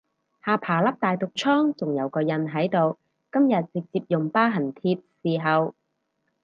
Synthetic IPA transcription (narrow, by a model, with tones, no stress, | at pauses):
haː˧pʰaː˨˩lɐ˥p̚t̪aː˨jt̪ʊ˨k̚t͡ʃʰɔː˥ŋt͡sʊ˨ŋjɐ˨˧wkɔː˧jɐ˨nɦɐ˨˥jt̪o˨w | kɐ˥mjɐ˨t̚t͡sɪ˨k̚t͡siː˧p̚jʊ˨ŋpaː˥ɦɐ˨˩nt̪ʰiː˧p̚siː˨˩ɦɐ˨w